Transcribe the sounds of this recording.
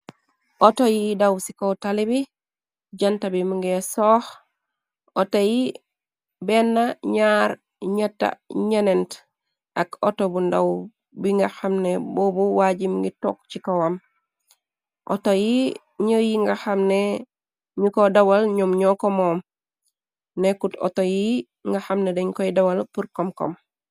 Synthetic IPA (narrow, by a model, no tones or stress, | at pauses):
ʔotojidawsikowtalibi | ɟantabimuŋɡesoh | otoji | benːaɲaɾ | ɲatːa̰ɲənent | akotobundaw | biŋɡaxamneboːbuwaɟimɡito̰kt͡ʃikowam | ʔo̰toji | ɲəjiŋɡahamne | ɲikodawalɲomɲokomoːm | nekuto̰toji | ŋɡaxamnedeɲkojidawalpuɾkomko̰m